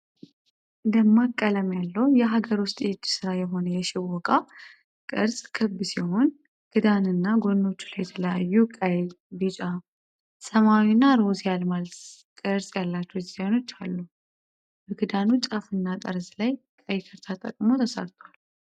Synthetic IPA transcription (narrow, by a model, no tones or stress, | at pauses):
ʔɨnd̪əmːakʼːələmjalːəwjɛɦaɡəɾwʊst̪ʼed͡ʒːsɨɾajɛɦo̞nəjɛʃɪβɔkʼa | kʼɨɾsʼkʰɨbːɨsiho̞n | ɡ̥ʰɨd̪anɨnːaɡo̞nːo̞t͡ʃːu̥lajɛt̪ʰələjajːukʼəj | bɨt͡ʃʼa | səmawinːaɾosjalmal | kʼɨɾsʼjalːat͡ʃːɛd͡ʒzajno̞t͡ʃːalːu | bəɡɨd̪anut͡ʃʼafɨnːat̪ʼəɾzlajkʼəjkʰəɾt̪ʰat̪ʼə̰kʼmo̞t̪ʰəsə̰ɾt̪ʰwal